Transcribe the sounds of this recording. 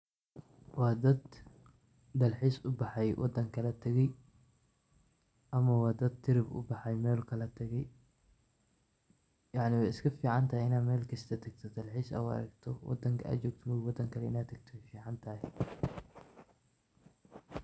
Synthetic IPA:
wɑːd̪ɐd̪ | ɐlħiːsʊbɑħɑjwʔɑ̰d̪ɐŋkʰɐlɐt̪ʰɐɣɛj | ʔɐmɐwɑːd̪ɐd̪̚t̪ʰɪɾɪbʊ̰bɑħɑjmɛːlkʰɐlɐt̪ʰɐɣɛj | jɑʕnɪwɛjɪskʰɐfiːʕɑnt̪ʰɐɦɛjɪnaːmɛːlkʰɐst̪ʰɐt̪ʰɐɡt̪ʰɐd̪ɐlħiːsɐ̰ʊɐ̰ɾɐ̰ɡt̪ʰɔwɑ̰d̪ɐŋkʰɐa̰ːt͡ʃɔːɡ̚t̪ʰɐmɐwɑd̪ɐŋkʰɐlɛɪnaːt̪ʰɐɡ̚t̪ʰɔwɛjfiːʕɑnt̪ʰɐːhɛ

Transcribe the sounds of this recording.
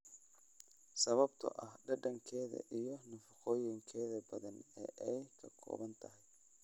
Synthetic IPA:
sɐβɐbt̪ʰɐ̰ʔɐhɖɐɖɐŋkʰɛːðɐ̰ʔijɞnʊfɐqɔːjɪŋkʰɛːðɐbɐðɐnɛ̰ːʔɛjkʰɐkʰɔ̰ːβɐnt̪ʰɐɦɪj

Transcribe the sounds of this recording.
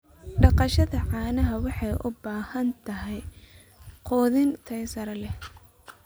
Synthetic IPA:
ɖɑqɑʃɐðɐʕɑːnɐɦɐwɑħɑjʔʊbaːhɐnt̪ʰɐɦɛj | qɔːðɪnt̪ʰɐjsɐɾɐlɛh

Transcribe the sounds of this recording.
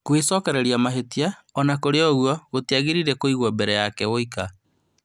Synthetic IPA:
kwesɔkɛɾɛɾiamaɦetiaɔnakoɾeɔɣwɔɣotiaɣiɾiɾɛkoiɣwɔbɛɾɛjakɛoika

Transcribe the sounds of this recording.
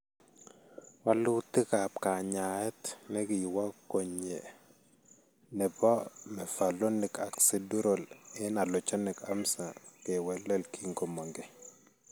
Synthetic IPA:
walutikapkaɲaɛtnɛkijwakoɲɛ | nɛbɔmɛfalɔnɪkaksɛduɾɔlɛnalɔt͡ʃanɛkamsakɛwɛlɛlkʰiŋɡɔmaŋɡɛ

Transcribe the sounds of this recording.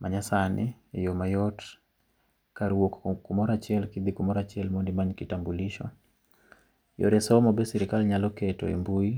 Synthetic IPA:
mʔaɲasani | ɛjomajɔt | kaɾuwokkumɔɾat͡ʃiɛlkid̪ikumɔɾat͡ʃiɛlmɔndimaɲkitambuliʃɔ̰ | jɔ̰ɾɛsɔmɔbɛsiɾikalɲalɔkɛtɔ̰ɛ̰mbui

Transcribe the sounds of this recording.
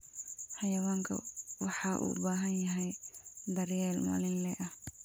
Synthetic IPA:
hɐjɐwaːŋkʰɐ̰wɑħɑːʔṵbaːɦɐnjɐɦɛjd̪ɐɾjɛːlma̰ːlɪnlɛːʔɐh

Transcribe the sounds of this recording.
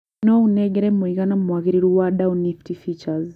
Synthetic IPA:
nɔunɛɡɛɾɛmuikanamuakiɾiɾuwaɗauniftifit͡ʃaz

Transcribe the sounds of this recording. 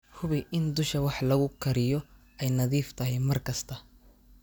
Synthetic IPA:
hʊβɪʔɪnd̪ʊʃɐwɑħlɐɣʊkʰɐɾɪjɔ | ɛjnɐðiːft̪ʰɐɦɛjmɐrkʰɐst̪ʰɐ

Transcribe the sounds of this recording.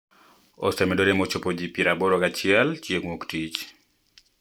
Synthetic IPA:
ɔ̰sɛmɛdoɾemot͡ʃopod͡ʒipiɾaboɾokat͡ʃɪɛlt͡ʃjeŋwoktit͡ʃ

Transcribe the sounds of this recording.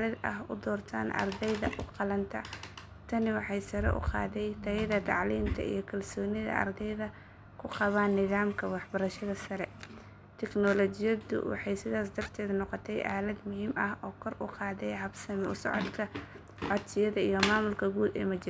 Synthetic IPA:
lɐd̪ɐ̰ɦʊd̪ɔːrt̪ʰaːnʔɐ̰rd̪ɛjðɐʔʊqɑlɐnt̪ʰɐ | t̪ʰɐnɪwɑħɑjsɐɾɛ̰ʔʊ̰qɑ̰ːðɛjt̪ʰɐjɐðɐt̪ʰɑʕliːmt̪ʰɐ̰ḭjɞkʰɐlsɔːnɪðɐ̰ʔɐ̰rd̪ɛjðɐ | kʰʊqɑβaːnːɪðaːmkʰɐwɑħbɐɾɐʃɐðɐsɐɾɛ | t̪ʰɛknɔlɔt͡ʃɪjɐðʊ̰wɑ̰ħɑjsɪðaːs̬d̪ɐrt̪ʰɛːðnɔqɔt̪ʰɛjʔa̰ːlɐd̪mʊɦiːmɐhɔːkʰɔrʔʊqɑːðɛjhɐbsɐmʊ̰sɔ̰ʕɔd̪kʰɐ | ʕɔd̪sɪjɐðɐijɔmaːmʊlkʰɐɡuːd̪ɛ̰ːmɐt͡ʃɪɾ

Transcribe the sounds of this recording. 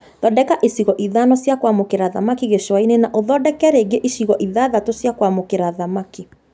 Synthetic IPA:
ðɔdɛkaʔesiɣɔʔiðanɔsjakwamokeɾaða̰makiɣeʃwainenaʔoðɔdɛkɛɾeɡeʔiʃiɣɔʔiðaːðatosjakwamokeɾaðamaki

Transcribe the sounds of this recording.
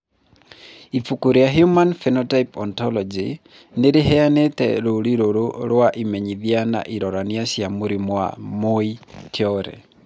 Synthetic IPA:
ifukuɾijaɦjumanfɛnɔtaipɔntɔlɔd͡ʒi | neɾeɦɛanetɛ̰ɾoɾiɾoɾoɾwaʔimɛɲiðiana̰ʔiɾɔɾaniasjamuɾimwa̰moitʰjɔɾɛ̰

